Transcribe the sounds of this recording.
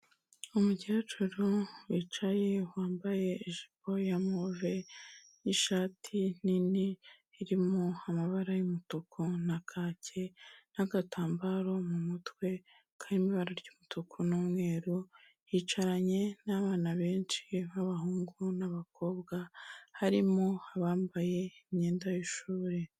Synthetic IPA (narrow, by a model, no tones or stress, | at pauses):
umuɟe̞ːt͡ʃuɾuwit͡ʃaje̞waːmbaje̞ːʒi̥po̞jamove̞ | iʃaːtʰin̥ini | iɾimoamaβaɾajumutokʰonakʰaːcʰe̞naɡatʰaːmbaɾo̞mumutwe̞ | kʰajimiβaɾaɾɟuːmutʰokʰonomŋe̞ːɾu | jit͡ʃaɾaɲe̞naβaːnaβe̞ːnt͡ʃiβaβaɦuːŋɡunaβako̞ːbɡahaɾimoaβaːmbaje̞imɲeːndajiʃuːɾe